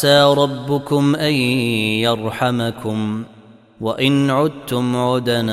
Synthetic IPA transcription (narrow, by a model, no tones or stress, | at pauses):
aːɾˤɑbːʊkʊmʔajjɑɾˤħamakʊm | waʔɪnʕʊd̪̚t̪ʊmʕʊd̪an